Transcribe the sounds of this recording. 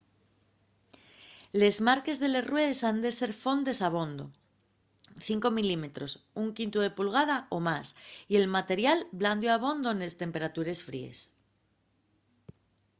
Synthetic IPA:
le̞zmaɾke̞zðe̞le̞srwe̞ð̞e̞sand̪e̞se̞ɾfo̞nd̪e̞saβ̞o̞nd̪o̞̰ | θiŋko̞milime̞t̪ɾosuŋkint̪uð̞e̞pulɣ̞að̞ao̞masie̞lmat̪e̞ɾjalbland̪joaβ̞o̞nd̪o̞ene̞st̪e̞mpe̞ɾat̪uɾe̞sfɾḭe̞̰s

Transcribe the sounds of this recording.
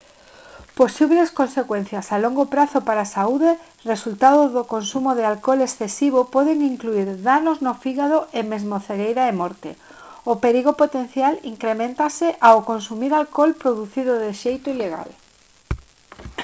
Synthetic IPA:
posiβleskonsekwẽn̟θjasaloŋɡopɾaθʊpaɾasauðe | result̪aðʊðokonsumoðɪalkɔlesθesiβ̞opɔðeŋiŋkluiɾðanoznofiɣaðoʔemezmoθeɣejɾaemɔɾt̪ḛ | ʊpeɾiɣopot̪enθjaliŋkɾemẽnt̪asɪʔawokonsumiɾalkɔlpɾoðuθiðʊðɪʃejt̪ʊileɣa̰l

